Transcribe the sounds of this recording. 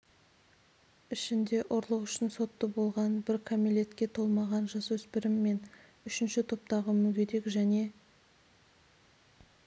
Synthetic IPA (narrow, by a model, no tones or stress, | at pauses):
ɪʃɪnd̪e̞ʔʊɾlˠəqʏʃɪnso̞t̪ːəbo̞lˠʁɑnbɪɾkʰamilʲe̞t̪kʲe̞t̪ʰo̞lˠmɑʁɑnʒɑswɵspɪɾɪmːe̞n | ʏʃɪnʃɪt̪ʰo̞p̚t̪ɑʁəmʏkʲʰe̞ɾe̞kʒæne̞